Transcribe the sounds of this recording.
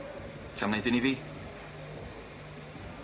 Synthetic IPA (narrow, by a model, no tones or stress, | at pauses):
tʰamnejðɪniviː